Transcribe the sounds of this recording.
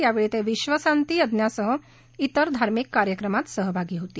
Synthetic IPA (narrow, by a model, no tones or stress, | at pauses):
jaʋeɭit̪eʋiɕʋəsant̪iːəd̪njasəɦə | it̪əɾd̪ʱaɾmikːaɾjəkɾəmat̪səɦəbʱaɡiːɦot̪iː